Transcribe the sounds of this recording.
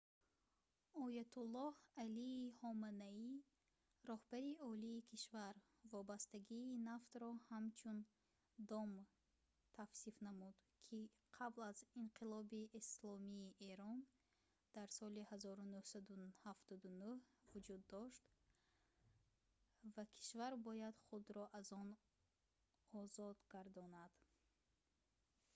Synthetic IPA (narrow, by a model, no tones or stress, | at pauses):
ɔjat̪ʰulːɔhaliːhɔmanai | ɾɔhbaɾiɔliːkʰiʃvaɾ | vɔbast̪aɡiːnaft̪ɾɔhamt͡ʃʰun | d̪ɔm | t̪ʰafsifnamud̪kʰi | qʰablaziɴqʰilɔbiʔislɔmiːʔeɾɔn | d̪̥aɾsɔlihazɔɾunuhsad̪uhaft̪ɔd̪unuhvud͡ʒud̪ːɔʃt̪ | vakʰi̥ʃvaɾbɔjad̪χud̪ɾɔʔazɔn | ɔzɔd̪ɡaɾd̪ɔnad̪̥